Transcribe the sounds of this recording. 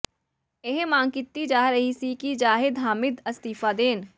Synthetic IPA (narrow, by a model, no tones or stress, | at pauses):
eɦmãːŋkɪt̪ːid͡ʒaːɦɾɐɦisikid͡ʒaːɦɪd̪ɦaːmɪd̪ɐst̪iːfad̪eːn